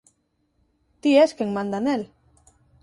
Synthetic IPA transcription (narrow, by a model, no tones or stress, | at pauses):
t̪ieskeŋmãnd̪anel